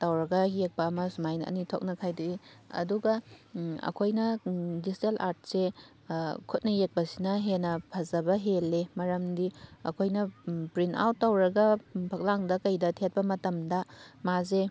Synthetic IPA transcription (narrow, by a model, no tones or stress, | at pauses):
tawɾɐɡɐjek̚pɐːmɐsumajnɐɐ̰nitʰok̚nɐkʰajduiɐ̰duɡɐɐ̰kʰojnɐdistelʔa̰ɾt̚se | kʰut̚nɐjek̚bɐsinɐɦenɐpʰɐzɐbɐɦelːemɐɾɐmdiɐ̰kʰojnɐpɾina̰wtːawɾɐɡɐpʰɐk̚laŋdɐkɐjdɐtʰet̚pɐmɐtɐmdɐmaze